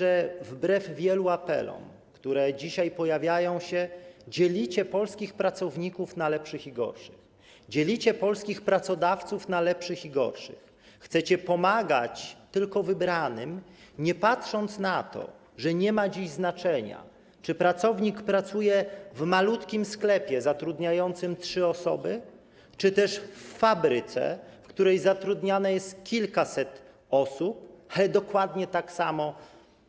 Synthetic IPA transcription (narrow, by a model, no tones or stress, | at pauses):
ɛvbɾɛvvʲjɛluapɛ̰lɔ̰m | kt̪uɾɛd͡ʑiɕajpɔjavʲjajɔ̃w̃ɕɛd͡ʑelʲit͡ɕɛpɔlskʲixpɾat̪sɔvɲikufnalɛpʂɘxiɡɔ̰ɾʂɘx | d͡ʑelʲit͡ɕɛpɔlskʲixpɾat̪sɔd̪aft̪sufnalɛpʂɘxiɡɔ̰ɾʂɘ̰x | xt̪sɛt͡ɕɛpɔmaɡa̰t͡ɕt̪ɘlkɔvɘbɾanɘ̰mɲɛpatʂɔnt̪snat̪ɔ̰ | ʐɛɲɛmad͡ʑiʑznat͡ʂɛɲa̰ | t͡ʂɘpɾat̪sɔvɲikpɾat̪sujɛvmalut̪kʲimsklɛpʲjɛzat̪ɾud̪ɲajɔnt̪sɘmtʂɘɔsɔ̰bɘ | t͡ʂɘt̪ɛʂfːabɾɘt̪sɛ̰fkt̪uɾɛjzat̪ɾud̪ɲanɛjɛst̪kʲilkasɛt̪ | ɔsup̚alɛd̪ɔkwad̪ɲɛt̪aksamɔ